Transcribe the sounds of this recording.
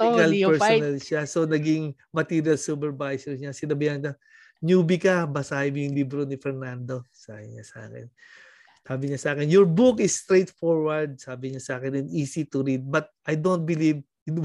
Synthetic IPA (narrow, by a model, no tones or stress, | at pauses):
alpɛɹponɐlʃaso̞nɐɡɪŋ | mɐt̪iːɾjɐlsupɛɹvajsɛɹɲasɪnɐbɪjankɐ | ɲuːbɪkɐbɐsaːhɪmjʊŋlibɾonɪfɛɹnand̪o̞sa̰ːhɪɲa̰sɐʔa̰ːkɪ̰n | saːbɪɲasɐʔaːkɪnjɔɹbukɪst̪ɾejt̪foɹwɐɹd̪̚saːbɪɲɐsɐʔaːkɪnɪniːsit̪ʊɾid̪̚bɐt̪̚ʔɐjd̪ont̪̚bɪliv | ɪn